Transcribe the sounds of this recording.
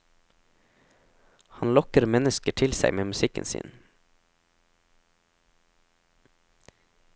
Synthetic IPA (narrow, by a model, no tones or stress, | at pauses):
hɑnlɔkəɾmɛnəskəʈʰɪlsæɪmeːmʉsɪkə̰nsḭːn